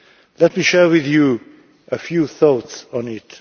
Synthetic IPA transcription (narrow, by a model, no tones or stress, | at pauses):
lɛt̚miʃɛɹwɪðju | ʔəfjuθoʊtsɔ̃nɪt